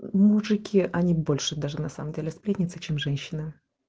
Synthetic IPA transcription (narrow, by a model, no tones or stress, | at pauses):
muʐɨkʲʰɪʔɐnʲibo̞lʲʂɨd̪aʐɨnɐsa̰məmdʲelʲɪspɾʲetʲnʲɪt̪sɨt͡ɕemʐɛnʲɕːɪnɨ